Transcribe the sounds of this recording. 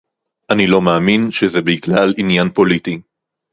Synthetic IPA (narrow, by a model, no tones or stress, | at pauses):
ʔanilo̞maːminʃezebiklalinjanpo̞liti